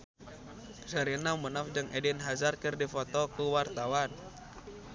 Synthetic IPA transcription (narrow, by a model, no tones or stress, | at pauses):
zaɾinamənafd͡ʒəŋɛdinɦazarkɨrdifɔt̪ɔkuwart̪awan